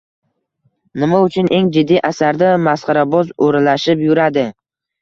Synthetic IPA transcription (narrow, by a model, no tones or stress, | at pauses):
nɪmaʊt͡ʃʰʊnʔe̞ŋd͡ʒɪd̪ːijʔasaɾd̪amasqɑɾabɒzoɾalaʃɪpjʊɾad̪ɪ